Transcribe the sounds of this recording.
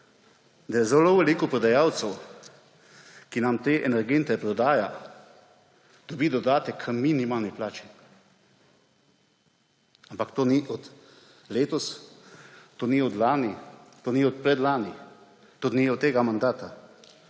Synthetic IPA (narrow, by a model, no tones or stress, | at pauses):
d̪ajɛzɛloʋɛlikɔpɾɔd̪ajaːwt̪sɛw | kinamt̪eːʔɛnɛɾɡent̪ɛpɾɔd̪aːja | d̪̥ɔbiːd̪ɔd̪aːt̪ɛkʰminimaːlniplaːt͡ʃi̥ | ampakt̪oːniʔɔt̪ | leːt̪ɔs | t̪oniɔd̪laːnit̪oːniɔt̪̚pɾɛd̪laːni | t̪ot̪niɔt̪t̪ːeːɡamand̪aːt̪a